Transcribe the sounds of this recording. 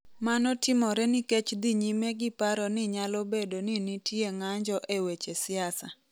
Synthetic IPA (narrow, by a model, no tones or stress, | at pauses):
manɔtɪmɔɾɛnɪket͡ʃd̪iɲimɛɡɪpaɾɔnɪɲalɔbedonɪnitjeŋaɲd͡ʒɔʔewet͡ʃesɪasa